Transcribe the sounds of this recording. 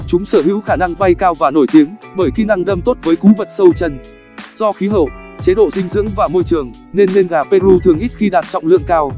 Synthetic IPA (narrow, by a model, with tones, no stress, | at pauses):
t͡ɕʊ˨˦ŋ͡msəː˧˩ɦḭ˧˥wxaː˧˩na˧ŋɓa˧jkaː˧wvaː˨˩no˧˩jt̪i˨˦əŋɓəː˧˩jxi˨˧˦na˧ŋɗə˧mt̪o˦˥t̚vəː˨˦jku˨˦və˨˩t̚sə˧wt͡ɕə˧˩n | z̥ɔ˧xi˨˦ɦə̰˧˨wt͡ɕe˨˦ɗo̰˧˨zï˧ŋ̟zɨ̰˧˥əŋvaː˨˩mo˧jt͡ɕɨ˨˩əŋ | ne˧nːe˧nɣaː˨˩pe˧ɾu˧t̪ʰɨ˨˩əŋʔi˦˥t̚xi˧ɗaː˨˩t̚t͡ɕɔ̰˧˨wŋ͡mlɨ̰˧˨əŋkaː˧w